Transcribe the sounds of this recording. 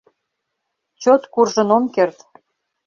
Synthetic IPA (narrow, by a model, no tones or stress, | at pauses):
t͡ɕot̪kurʒə̆nomkert̪